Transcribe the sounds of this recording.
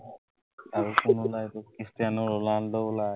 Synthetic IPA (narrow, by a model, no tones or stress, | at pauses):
aɹukʊnulajt̪ʊkistijanɔɹɔlandɔla